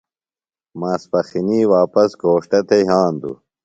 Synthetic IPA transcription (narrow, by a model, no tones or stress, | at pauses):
maːspɐxiniːwaːpɐskoːʂʈɐt̪ʰeɦaːnd̪ṵ